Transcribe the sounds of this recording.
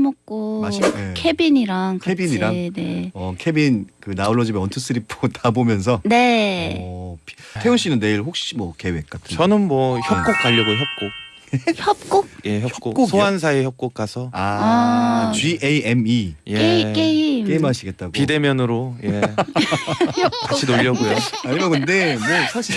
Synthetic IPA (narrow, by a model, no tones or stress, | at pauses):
mʌk̚k͈oaɕinekʰebiɲiɾaŋkʰaebiɲiɾane̞ʌkʰebinkɯnauɭːʌd͡ʑimeʌntʰɯs͈ɯɾipʰotabomjʌns̬ʰʌne̞ | pi̥tʰe̞uɕ͈ʰinɯnːe̞iɭɸok̚ɕ͈imwʌke̞wek͈̚atʰɯʌnɯnmwʌçjʌek͈ok̚k͈aʎːʌɡoçjʌp̚k͈ok̚ | eçʌp̚k͈ok̚jeçjʌpʌk͈ok͈oksʰoans̬ʰaejʌp̚k͈ok̚k͈asʰʌa | t͡ɕɥiʔeemijeeik͈eimk͈e̞imɦaɕʰiɡe̞t̚t͈aɡpoide̞mjʌnɯɾoje | ʌkat͡ɕʰinoʎːʌɡojoaɲimakɯnde̞mwʌsʰaɕʰi